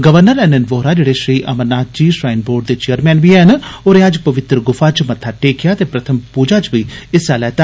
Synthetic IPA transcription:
ɡəʋəɾnəɾɛːnenʋoːɾaːd͡ʒeːɽeːʃɾiːʔəmənnːaːt̪̚d͡ʒiːʃɾaːɪnboːɾɖ̚d̪eːt͡ʃeːəɾmɛ̃ːnbiːɛɦənoːɾẽːəd͡ʒpəʋɪt̪ɾəɡʊfʰaːt͡ʃmət̪ʰːaːʈeːkʰɪjaːt̪eːpɾət̪ʰəmpuːd͡ʒaːt͡ʃʋiːɪsaːlɛːt̪a

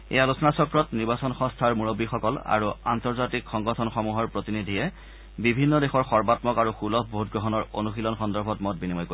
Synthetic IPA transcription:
ḛjalusɔnasɔkɹɔtniɹbasɔnxɔ̃stʰaɹmuɹobixɔkɔla̰ɹua̰ntɔɹzatikxɔŋɡɔtʰɔnxɔmuɦɔɹpɹotinidʱiɛ | bibʱinːɔdexɔɹxɔɹbatmɔkaɹuxulɔpʰbʱout̚ɡɹɔɦɔnɔɹo̰nuxilɔnxɔndɔɹbʱɔtmɔt̚binimɔjko

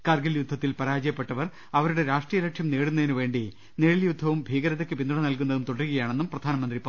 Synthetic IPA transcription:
karɡɐljud̪ʱːɐt̪ːilpɐɾaːd͡ʑɐjɐpːe̞ʈːɐʋɐr | ɐʋɐɾuɽe̞ɾaːʂʈrijɐlɐkʂjɐmneːɽunːɐðinuʋe̞ːɳɖi | neːɭiljud̪ʱːɐʋumbʱiːɡɐɾɐðekʲːɨpind̪uɳɐnɐlkunːɐðumt̪oɽɐruɣɐjaːɳe̞nːumprɐd̪ʱaːnɐmɐnd̪ripː

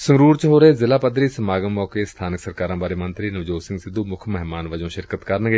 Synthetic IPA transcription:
səŋɾuːɾt͡ʃɦoːɾəɦeːzɪlaːpəd̪ɾiːsəmaːɡəmːɔːkeːst̪ʰaːnɪksəɾkaːɾãːbaːɾeːmənt̪ɾiːnəʋd͡ʒoːsɪ̃ŋɡsɪd̪uːmʊkʰmɛɦmaːnʋəd͡ʒõːʃɪɾkət̪kəɾnɡeː

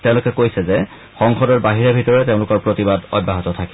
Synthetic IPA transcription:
tẽʊ̃lʊkɛkojsɛzɛ | xɔŋxɔdɔɹbaɦiɹɛbʱitɔɹɛteʊ̃lʊkɔɹpɹotibadɔ̰d̚bʱaɦɔtɔtʰakɛ

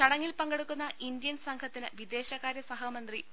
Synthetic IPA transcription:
t͡ɕɐɽɐŋːilpɐŋɡɐɽukːunːɐʔind̪jɐnsɐŋkʰɐt̪ːinɨʋid̪e̞ːɕɐɣaːɾjɐsɐɦɐmɐnd̪ri

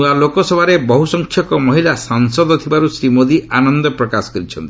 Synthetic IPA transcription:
ialokɔsɔbʱaɾebɔɦusɔŋkʰjɔkɔmɔɦilasaŋsɔd̪ot̪ʰibaɾusɾimod̪iʔanɔnd̪ɔpɾɔkasɔ̥kɔɾit͡ʃʰɔnt̪i

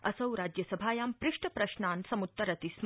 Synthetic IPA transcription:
ɐsɐwɾad͡ʑjəsəbʱaːjaːmpɾɪʂʈəpɾɐʃnaːnsɐmut̪ːɐɾɐt̪ism

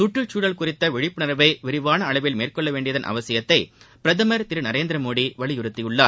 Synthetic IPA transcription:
sʊʈːrɯt͡ʃuːɽɐlkʊrɪt̪ːɐʋɪɻɪpːɯnɐɾɐʋɐɪʋɪɾɪʋaːnɐːɭɐʋɪlmeːrkɔɭːɐʋeːɳɖɪjɐðɐnʔɐ̰ʋɐsɪjɐt̪ːɐɪ | pɪɾɐðɐmɐɾt̪ɪɾɯnɐɾeːnd̪ɾɐmoːɽiʋɐɭɪjɯɾɯt̪ːɪjɯɭːaː

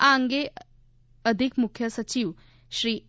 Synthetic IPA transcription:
aŋɡe | ɐd̪ʱikmukʰːjɐsɐt͡ʃiw | sɾi

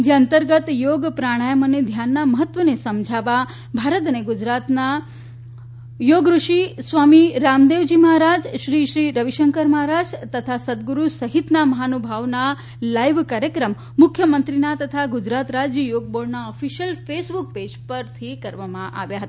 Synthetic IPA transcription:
d͡ʒeənt̪əɾɡət̪joɡpɾaɽ̃ajəməned̪ʱjanːaməɦət̪ʋənesəmd͡ʒʱaʋa | bʱaɾət̪̬əneɡud͡ʒɾat̪na | joɡɾuʃisʋamiɾamd̪eʋd͡ʒiməɦaɾad͡ʒʃɾiʃɾiɾəʋiʃəŋkəɾməɦaɾad͡ʒt̪ət̪ʰasəd̪̚ɡuɾusəɦit̪naməɦanubʱaʋna | lajʋkaɾjəkɾəmːʊkʰjəmənt̪ɾinat̪ət̪ʰaɡud͡ʒɾat̪ɾad͡ʒjəjoɡ̚boɖnaɔfiʃjəlfesbuk̚ped͡ʒpəɾt̪ʰikəɾʋamãʔa̰ʋjaɦət̪a

